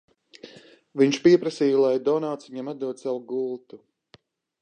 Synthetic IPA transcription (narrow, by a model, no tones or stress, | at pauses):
viɲʃpiɛpɾasiːjulˠajd̪ɔnawt̪sviɲɛmad̪d̪uɔt̪sawuɡulˠt̪u